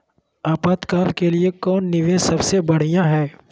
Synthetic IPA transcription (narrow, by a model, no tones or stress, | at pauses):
aːpaːt̪kaːɾkeliekɔːnːɪʋẽsɐbsebɐɽ̤ijãɦɛː